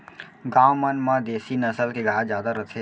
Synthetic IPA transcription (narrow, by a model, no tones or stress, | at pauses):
ɡãːwmənmãd̪eːsinəsəlkeɡad͡ʒjaːd̪aɾət̪ʰe